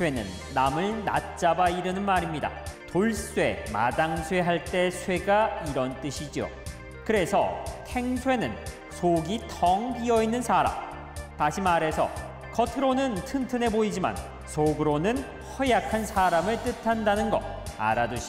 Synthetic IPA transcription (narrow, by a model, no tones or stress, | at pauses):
sʰwe̞nɯ̰nːamɯɭna̰t̚t͡ɕ͈abaiɾɯnɯnmaɾimɲida̰toɭs͈we̞̰ma̰daŋsʰwe̞ɦaɭt͈e̞sʰwe̞ɡaiɾʌnt͈ɯɕʰid͡ʑio̰ | kɯɾe̞sʰʌ̰tʰe̞ŋsʰwe̞nɯn | sʰoɡitʰʌŋbiʌinːɯnsʰaɾa̰m | taɕʰimaɾe̞sʰʌ̰ | kʰʌtʰɯɾonɯntʰɯntʰɯne̞boid͡ʑima̰n | sʰoɡɯɾonɯn | hʌjakʰansʰaɾamɯɭt͈ɯtʰandanɯnɡʌ̰a̰ɾaduɕi